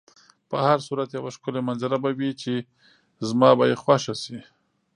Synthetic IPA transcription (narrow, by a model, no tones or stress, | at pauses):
pəhaɾsuɾat̪jawaʃkʊlemanzaɾabawit͡ʃe | zmɑbajexwaʃasi